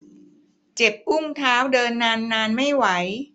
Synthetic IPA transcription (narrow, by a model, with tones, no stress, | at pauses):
t͡ɕe˨˩p̚ʔu˥˩ŋt̪ʰaː˦˥wdɤː˧nːaː˧nːaː˧nma˥˩jwa˩˦j